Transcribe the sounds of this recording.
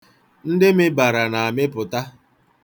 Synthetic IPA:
n̩˦dɪ˦mɪ˦ba˨ɾa˨na˨a˨mɪ˦pʊ˨ta˦

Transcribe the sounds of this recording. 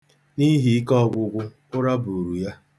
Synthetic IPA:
ni˦ɦi˨i˦kɔ˦˨ɡʷʊ˨ɡʷʊ˦ | ʊ˦ɾa˦bu˨ɾu˨ja˦

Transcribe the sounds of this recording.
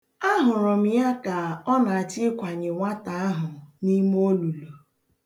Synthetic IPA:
a˦ɦʊ˨ɾʊ˨m̩˦ja˦ka˨ɔ˦na˨a˨t͡ʃɪ˦kʷa˨ɲɪ˨ŋʷa˦ta˨a˦ɦʊ˨ni˦m˦o˦lu˨lo˨

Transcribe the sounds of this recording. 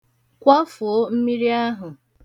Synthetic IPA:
kʷɔ˦fʊ˨˦m̩˦mi˦ɾi˦a˦ɦʊ˨

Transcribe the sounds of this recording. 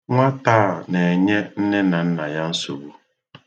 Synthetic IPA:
ŋʷa˦taː˦˨ne˨ɲe˦n̩˦ne˦na˨n̩˦na˨ja˦n̩˦so̰˨bu˦

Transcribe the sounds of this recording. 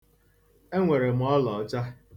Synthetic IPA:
e˦ŋʷe˨ɾe˨m̩˨ɔ˦lɔ˨˦t͡ʃa˦

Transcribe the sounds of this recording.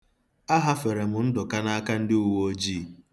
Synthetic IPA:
a˦ɦa˦fe˨ɾe˨mʊ˨n̩˦dʊ˨ka˦na˦a˦ka˦n̩˦dɪ˦u˨wo˦o˦d͡ʒiː˦˨

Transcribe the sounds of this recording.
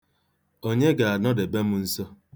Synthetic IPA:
o˦ɲe˦ɡa˨a˨nɔ˦de˨be˦mʊ˦n̩˦sɔ˦

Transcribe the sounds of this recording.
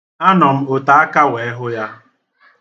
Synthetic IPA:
a˦nɔ˨m̩˦o˨ta˨a˦ka˦we˨e˦ɦʊ˦ja˦

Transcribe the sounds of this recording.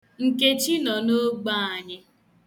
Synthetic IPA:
ŋ̩˨ke˦t͡ʃi˦nɔ˨no˦ɡ͡ba˦a˨ɲɪ˦

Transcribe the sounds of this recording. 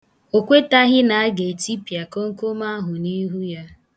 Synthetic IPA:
o˨kʷe˦ta˦ɦɪ˦na˨a˦ɡe˨ti˦pa˨ko˦ŋ̩˦ko˦ma˦ɦʊ˨ni˦ɦu˦ja˦

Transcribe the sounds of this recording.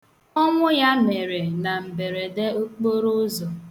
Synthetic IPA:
ɔ˦ŋʷʊ˦ja˦me˨ɾe˨na˨m̩˨be˨ɾe˨de˦o˦k͡po˦ɾo˦zɔ˨

